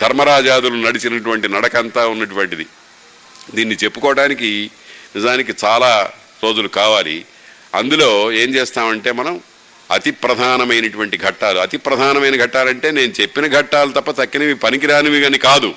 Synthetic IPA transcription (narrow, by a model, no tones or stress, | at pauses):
d̪ʱɐɾmɐɾaːd͡ʒaːd̪ulunɐɽit͡ʃinɐʈuʋɐɳʈinɐɽɐkɐnt̪aːunːɐʈuʋɐɳʈid̪i | d̪iːnːit͡ʃe̞pːu̥kɔːɐɽaːnik̬i | nizaːnikit͡ʃaːlaː | ɾo̞ːd͡ʒulukaːʋaːlḭ | ɐ̰nd̪ulo̞ːe̞ːɲt͡ʃeːst̪aːmɐɳʈe̞ːmɐnɐm | ɐt̪ipɾɐd̪ʱaːnɐmɐjnɐʈuʋɐɳʈiɡʱɐʈːaːluɐt̪ipɾɐd̪ʱaːnɐmɐjnɐɡʱɐʈːaːlɐɳʈe̞ːne̞ːnut͡ʃe̞pːinɐɡʱɐʈːaːlɐt̪ɐpːɐt̪ɐkːinɐʋipɐnikiɾaːnɐʋiɡɐnikaːd̪u